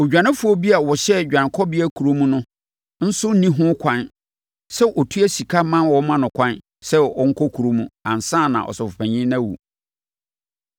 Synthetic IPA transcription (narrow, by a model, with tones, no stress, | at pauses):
ɔ˨d͡ʑᶣã˨nɪ̃˦fu˦o˦bi˦a˨wɔ˨ɕɛ˦˨d͡ʑᶣã˨n˨kʰɔ˦bɪ˦æ˦kʰu˨ɾo˦mũ˦nʊ̃˦ | n̩˦sʊ˦n˦nĩ˦ɦʊ̃˦kʷʰã˦n | sɛ˦ʔɔ˨tʰu˦æ˦si˨kʰa˦mã˦wɔ˦mã˦nʊ̃˨kʷʰã˦n | sɛ˦ɔ˦ŋ̩˦kʰɔ˦kʰu˨ɾo˦mũ˦ã̰˨nsãː˦˨nã̰˨ʔɔ̰˨sɔ˨fʊ˨pʰæ̃˨ɲĩ˦nã˦wṵ˨